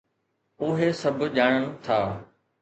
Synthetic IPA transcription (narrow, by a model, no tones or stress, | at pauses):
ʊɦesɐbʱʄaːɽ̃əɽ̃̆t̪ʰaː